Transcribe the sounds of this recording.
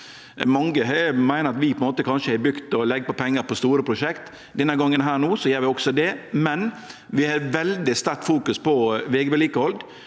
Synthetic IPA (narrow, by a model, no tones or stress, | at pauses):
mɑŋːəɦɛmæɪnəɾɑt̪ʋɪpʰɔɛnmoːt̪əkʰɑnʃʂəæbɾʉkt̪ɔlɛɡpɔpʰɛŋːəɾpɔst̪uːɾəpʰɾʊʂɛkt̪ | d̪ɛnːəɡɑŋːənɦæːɾnuːsɔjøːɾʋɪɔɡsɔd̪ɛmɛn | ʋɪhɑʋɛld̪ɪst̪æɾʈ̪fuːkʉspɔʋeːɡəbɛliːkəɔld̪